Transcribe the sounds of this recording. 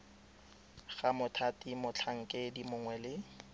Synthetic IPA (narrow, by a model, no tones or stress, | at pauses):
ɣamʊtʰatʼimʊt͡ɬʰaŋ̩kʼedimʊŋwɛlɪ